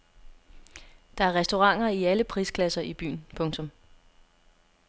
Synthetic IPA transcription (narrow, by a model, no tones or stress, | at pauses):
d̥ɑ̈æɐʁɛsd̥o̝ʁɑ̈ŋ̰ɐiæləpʰʁiːskʰlæsɐʔib̥y̰ːnpʰɔ̽ŋt͡sʰɔ̽m